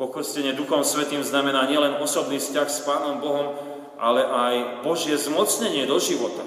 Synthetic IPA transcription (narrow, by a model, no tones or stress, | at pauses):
pɔkr̩scɛɲɛd̪uxɔmsʋɛt̪iːmznamɛnaːɲɪɛlɛnɔsɔbniːfscaxspaːnɔmbɔɦɔm | ʔalɛʔajbɔʒɪɛzmɔt͡sɲɛɲɪɛd̪ɔʒiʋɔt̪a